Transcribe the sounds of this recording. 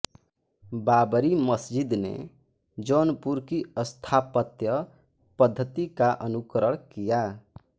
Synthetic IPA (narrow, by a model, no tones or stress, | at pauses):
babɾiməsd͡ʒid̪nḛ | d͡ʒonpuɾkiəst̪ʰapət̪jə | pəd̪ʱːət̪ikaʔənukɾəɽ̃kija